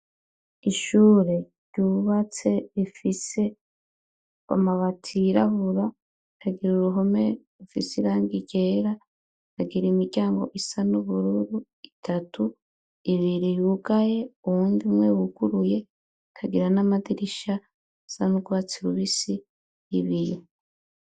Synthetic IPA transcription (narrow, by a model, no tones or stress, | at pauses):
iʃuːɾe̞ | ɾjɟuβat͡se̞ifise̞ | a̰maβatʰiɾaβuɾa | kʰaɡiɾuɾuɦo̞meɾufḭsiɾaːŋɡiɟe̞ɾa | kaɡiɾimiɾɟaːŋɡo̞̰ʔisanuβuɾuɾu | itʰatʰu | iβiɾijuɡaje̞uβuːndimŋwewuɡ̥uɾuje̞ | kʰaɡiɾanamadiɾiʃa | sanuɡwat͡seɾuβisiː | βiɾi